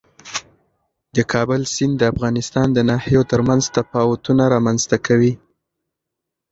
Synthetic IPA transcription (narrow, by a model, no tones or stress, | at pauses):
d̪əkʰɑbʊlsɪnd̪əafɣɑnɪst̪ɑnd̪ənɑhijot̪əɾmanzt̪apɑwat̪unaɾɑmanzt̪akʰawi